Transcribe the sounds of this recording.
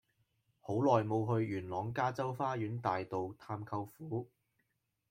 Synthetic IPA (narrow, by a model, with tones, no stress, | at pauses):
ho˨˥wlɔː˨jmo˨˧wɦɵ˧ɥjyː˨˩nlɔː˨˥ŋkaː˥t͡sɐ˥wfaː˥jyː˨˥nt̪aː˨jt̪o˨wt̪ʰaː˧mkʰɐ˧wfuː˨˥